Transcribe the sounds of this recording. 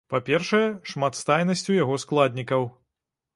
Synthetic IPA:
papʲɛrʂɐjɛʂmat̪st̪ajnɐsʲt͡sʲujaɣɔsklˠad̪ʲnʲikɐw

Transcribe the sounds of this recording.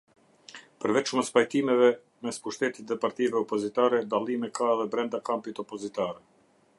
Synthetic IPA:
pəɾvɛt͡ʃməspajt̪imɛvɛ | mɛspuʃt̪ɛt̪it̪ðɛpaɾt̪ivɛɔpɔzit̪aɾɛd̪alˠimɛkʰaɛðɛbɾɛnd̪akampit̪ɔpɔzit̪aɾɛ

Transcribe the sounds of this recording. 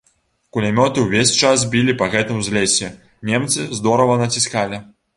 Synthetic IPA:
kulʲamʲɔt̪ɨwvʲesʲt͡ʂas̬bʲilʲipɐɣɛt̪ɨmzʲlʲesʲɛ | nʲɛmt̪sɨzd̪ɔɾɐvɐnɐt͡sʲiskalʲi

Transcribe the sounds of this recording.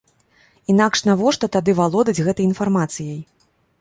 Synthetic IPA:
in̪akʂnavɔʂt̪ɔt̪ad̪ɨvalˠɔd̪ɐd͡zʲɣɛt̪ɐjinfarmat̪sɨjɐj

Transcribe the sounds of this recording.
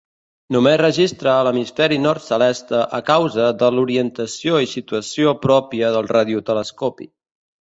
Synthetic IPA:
numezrəʒist̪ɾəːləmisfɛɾinɔɾt̪səlɛst̪əʔəkawzəðəluɾiənt̪əsioisit̪uəsiopɾɔpiəðəlˠraðiut̪ələskɔpḭ

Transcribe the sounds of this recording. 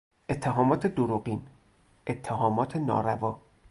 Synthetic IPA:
ʔe̞t̪ʰːeɦɒːmɒːt̪ʰed̪oɾoɢiːn | ʔet̪ʰːeɦɒːmɒːt̪ʰenɒ̰ːɾævɒː

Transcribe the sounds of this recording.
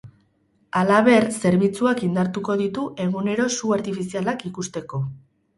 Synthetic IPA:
alaβ̞e̞ɾse̞ɾβit͡suakind̪aɾt̪uko̞ðit̪uʔe̞ɣ̞une̞ɾo̞suaɾt̪ifisialakikust̪e̞ko̞

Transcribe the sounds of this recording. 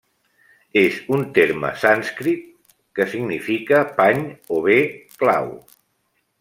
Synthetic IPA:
ezunt̪eɾmə̰sanskɾit̪̚ | kəsiɡnifikəpaɲoβekla̰w

